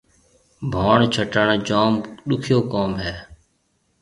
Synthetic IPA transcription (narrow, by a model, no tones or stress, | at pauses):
bʱaːɳt͡ʃʰəʈəɳd͡ʒaːmɗʊkʰjoːkaːmɦɛː